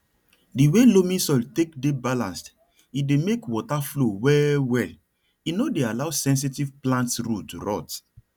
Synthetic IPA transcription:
diwelomĩsɔltekdebalã̰nst | idemekwɔtaflowɛwɛl | inodealaʊsɛ̃ns̬itivplãntɹutɾɔ̰t

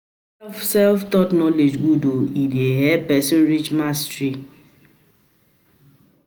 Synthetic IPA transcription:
sɛlftɔtnɔled͡ʒɡudoideɦɛpɛsĩnɾit͡ʃmastɾi

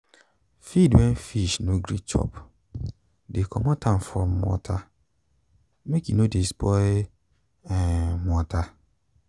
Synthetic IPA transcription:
fidwɛ̃nfiʃnoɡɾit͡ʃɔ̰p | dekʰɔmɔtʰãn̩fɔmmːɔ̰tʰa | mekinodespɔ | ɛmɔta

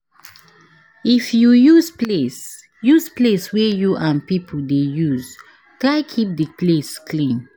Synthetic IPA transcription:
ifjujuzples | juzpleswɛjuʔãmpipʰɔldejuz | kakʰip̚dəpleskʰlĩn

